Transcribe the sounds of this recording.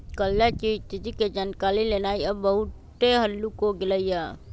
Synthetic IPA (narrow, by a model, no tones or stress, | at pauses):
kəlːat͡ʃit̪ːɪd͡ʒiked͡ʒankaːlilenaːiəbːəɦʊtt̪eɦəlːukoɡɪləijaː